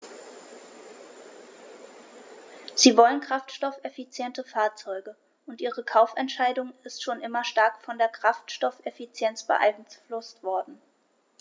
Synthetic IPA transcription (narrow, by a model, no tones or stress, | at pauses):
z̥iːvɔlənkʁ̥aftʃtɔfɛfit͡sjɛntəfaːɐt͡sɔʏɡə | ʔʊntʔiːʁ̞əkʰaʊfɛntʃaɪdʊŋɪstʃoːnʔɪmɐʃtaɐkfɔndeːɐkʁ̥aftʃtɔfɛfit͡sjɛnt͡sb̥ə̰ʔa̰ɪnflʊstv̥ɔɐdn̩